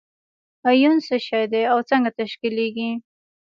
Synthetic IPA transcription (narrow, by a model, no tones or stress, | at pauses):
ajunsəʃajd̪eawt͡səŋɡat̪aʃkileɡi